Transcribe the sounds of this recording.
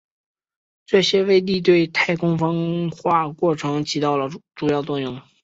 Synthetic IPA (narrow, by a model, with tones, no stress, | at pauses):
ʈ͡ʂɤ˥˩ɕjɛ˥we˥˧ɪt̪̬i˥˧t̪̬we˥˧ɪt̪ʰa˥˩ɪkʰʊ˥ŋfɑ˥ŋxwa˥˧kwɔ˥˩ʈ͡ʂʰɤ˧˥ŋt͡ɕ̪ʰi˧˥t̪ɑ˥˩ʊlə˩ʈ͡ʂu˨˩jɑ˥˧ʊt̪wɔ˥˧ŋjʊ˥˩ŋ